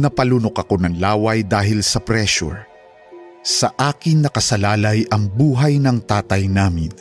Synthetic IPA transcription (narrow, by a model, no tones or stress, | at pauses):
nɐpɐlunokɐko̞nɐŋlaːwɐjd̪aːɦɪlsɐpɾɛʃṵɹ | sɐʔaːkɪŋnːɐkɐsɐlaːlɐjʔɐŋbuːɦɐjnɐŋt̪aːt̪ɐjnaːmɪ̰n